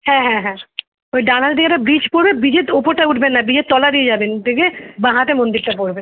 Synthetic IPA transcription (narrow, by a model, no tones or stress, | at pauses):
hɛ̃ɦɛ̃ɦɛ̃ | oɖaːnalɖ̪iaɾabɾiːt͡ʃpoɽbẽbid͡ʒet̪opoɾʈ̪aʊʈʰbenːabid͡ʒet̪ːɔːlad̪ied͡ʒaːbend̪ekʰebãɦãt̪emõnd̪iɾt̪apoɽbe